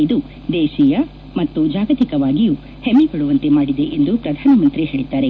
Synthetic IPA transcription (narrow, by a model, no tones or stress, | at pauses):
id̪u | d̪ɛːʃijɐ | mɐt̪ːud͡ʒaːɡɐt̪ikɐʋaːɡijuː | hemːipɐɽuʋɐnt̪e̞maːɽid̪e̞ʔend̪upɾɐd̪ʱaːnɐmɐnt̪ɾiɦe̞ːɭit̪aːɾe